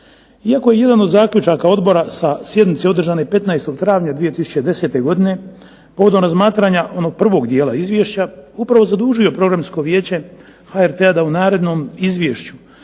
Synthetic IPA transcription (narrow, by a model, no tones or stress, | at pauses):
iakoje̞je̞d̪ano̞d̪zaːkʎʲut͡ʃaːkao̞d̪bo̞ɾasasjed̪nit̪se̞o̞d̪r̩ʒaːnepe̞t̪naest̪o̞ɡt̪ɾaːʋɲad̪ʋije̞t̪isu̥t͡ɕed̪e̞se̞t̪e̞ɡo̞d̪ine̞ | po̞ʋo̞d̪omɾazmaːt̪ɾaɲaʔo̞no̞ɡ̚pr̩ʋo̞ɡd̪jeːla̰izʋje̞ʃt͡ɕaupɾaʋo̞zad̪uːʒio̞pɾo̞ɡɾamsko̞ʋje̞ːt͡ɕe̞ | xaeɾt̪e̞ad̪aunaːɾe̞d̪no̞ːmizʋjeːʃt͡ɕu